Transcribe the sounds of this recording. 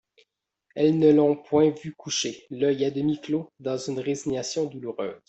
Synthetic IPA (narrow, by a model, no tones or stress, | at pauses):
ɛlnəlɔ̃pwɛ̃vykʰuʃelœjad̪əmiklod̪ɑ̃zynʁeziɲasjɔ̃d̪uluʁø̰ːz̥